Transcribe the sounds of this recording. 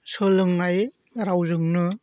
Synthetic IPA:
sɯlɯŋːaj | ɾawzɯŋnɯ

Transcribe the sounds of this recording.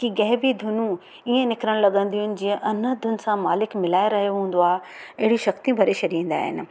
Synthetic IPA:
kiɡɐɦbid̪ʱʊnũ | iẽnɪkɾəɽ̃lɐɠə̃nd̪iːʊnɪ̆d͡ʑĩːə̃ʔɐnəd̪ʱʊnɪ̆sãmaːlɪkmɪlaːeɾɐɦijoɦũːn̆d̪oaːɦeɐɦɪɽiʃɐxt̪ijũbʱɐɾeʃɐɾiĩːn̆d̪a̰ːɦɪ̰nɪ̆

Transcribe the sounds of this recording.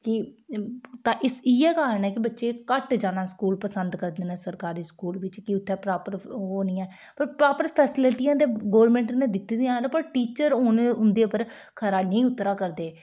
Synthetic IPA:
kɪ | t̪ãːʔɪsiːɛːkaːɾəɳɛːkɪbətːʃeːkəʈd͡ʒaːnaːskuːlpəsənd̪kəɾd̪eːnãːsəɾkaːɾiːskuːlʋɪt͡ʃkiʊt̪ʰːɛ̃ːpɾaːpəɾɦoːnĩːɛ̃ː | pəɾpɾaːpəɾpʰɛːsɪlɪʈiːãːd̪eːɡoːɾmɛ̃ːɳʈnẽːd̪ɪt̪ːd̪eãːnpəɾʈiːt͡ʃəɾoːnʊnd̪eːpəɾ | kʰəɾaːnəĩːʊt̪ːɾaːkəɾd̪eː

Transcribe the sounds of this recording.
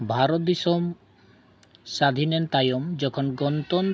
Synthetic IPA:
bʱaɾot̪̚d̪isom | sad̪ʱinent̪ajomd͡ʑɔkʰɔnɡɔnt̪on

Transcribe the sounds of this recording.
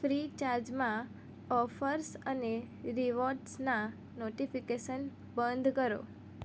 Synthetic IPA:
fɾit͡ʃaɾd͡ʒmã | ɔfəɾsəne | ɾiʋoɾʈsna | noʈifikeʃən | bə̃nd̪ʱkəɾo̰

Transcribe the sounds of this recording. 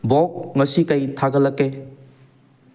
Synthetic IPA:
bɔk̚ŋɐsikɐjtʰaɡɐlɐkːe

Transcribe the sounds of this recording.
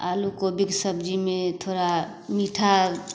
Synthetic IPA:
alukobiksəbd͡ʒimet̪ʰoːɾa | miʈʰa

